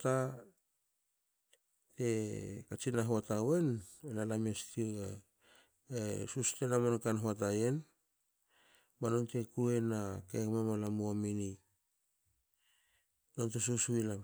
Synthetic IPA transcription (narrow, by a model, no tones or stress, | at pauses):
ta | te̞kat͡ʃinaɦoatawe̞nenalamestie | esuste̞namankanɦoat̬aje̞n | manonte̞kue̞nakekmamalamuamini | nontesuswilam